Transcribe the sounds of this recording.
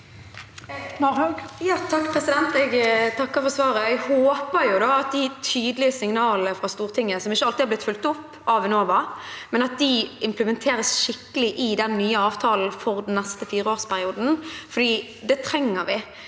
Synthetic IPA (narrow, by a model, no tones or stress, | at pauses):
mɑʁhɑɡjɑːt̪ʰɑkːpʰɾɛsɪd̪ɛnt̪ɛɡt̪ʰɑkːəfɔsʋɑːɾəɛɡhoːpəɾjʊd̪ɑɑt̪̚d̪ɪt̪ʰyːd̪əlɪəsɪŋnɑːləfʁɑst̪uːʁt̪ʰɪŋːəsɔmɪçːəɑlt̪ɪhɑblɪt̪fʉlt̪ʊpːɑːʋɛnoːʋɑmɛnɑt̪̚d̪ɪɪmpləmɛnt̪ʰeːɾəsʃɪkːəlɪʔɪd̪ɛnːyːəɑːʋt̪ʰɑːln̩fɔʁd̪n̩nːɛst̪əfiːɾəoːʁspʰæɾɪuːd̪n̩fɔd̪iː | d̪ɛt̪ʰɾɛŋːəɾʋɪ